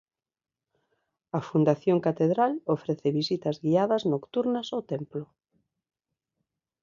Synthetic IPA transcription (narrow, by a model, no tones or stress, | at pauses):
ɐfund̪aθjoŋkat̪eðɾalofɾeθeβisit̪ɐzɣiaðɐznokt̪uɾnɐsot̪emplʊ